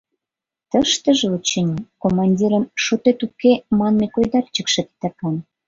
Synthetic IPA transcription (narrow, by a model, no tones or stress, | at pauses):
t̪əʃt̪ə̆ʒĕut͡ɕenʲekomɑnʲdʲiɾə̆nʃot̪et̪ukemɑnmekojd̪ɑrt͡ɕə̆kʃĕt̪t̪əkɑn